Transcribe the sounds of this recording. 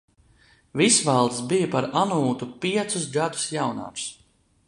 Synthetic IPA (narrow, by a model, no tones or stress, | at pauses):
visvalˠd̪sbijapaɾanuːt̪upiɛt̪suzɡad̪u̥sjawna̰ːɾs